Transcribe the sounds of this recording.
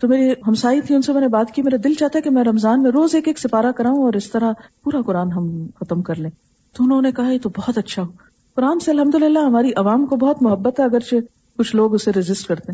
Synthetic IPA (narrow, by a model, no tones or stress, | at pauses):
t̪omeːɾiɦɐmsaːit̪ʰiʊnsemɛːnebaːt̪kimeːɾad̪ɪlt͡ʃaːɦt̪aɦɛkemɛ̃ɾɐmzaːnmẽɾoːzeːkeːksɪfaːɾakɐɾaːɦũɔːɾɪst̪ɐɾapuːɾakʊɾaːnɦɐmxɐt̪əmkɐɾlẽː | t̪oʊnɦõːnekɐɦajet̪obɔːɔt̪ɐtːʃʰaɦoː | kʊɾaːnseɐlɦɐmd̪ʊlɪlːaɦɐmaːɾiʔɐʋaːmkobɔɦɔt̪mʊɦɐbːət̪ɦɛɐɡəɾt͡ʃʰe | kʊt͡ʃʰloːɡʊsːeɾɪzɪsʈkɐɾt̪eɦɛ̃ː